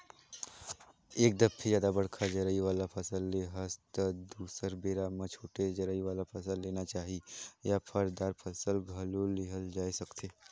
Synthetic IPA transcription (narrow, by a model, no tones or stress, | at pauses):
eːk̚d̪əpʰːid͡ʒjaːd̪abɐɽkʰad͡ʒəɾəiʋaːlapʰɐsəlːeɦəst̪əd̪uːsəɾbeːɾamət͡ʃʰuːʈed͡ʒɐɾəiʋaːlapʰɐsəlːeːnat͡ʃaːɦijapʰəɾd̪aːɾpʰɐsəlɡʱɐloleɦəld͡ʒaːisɐkt̪eː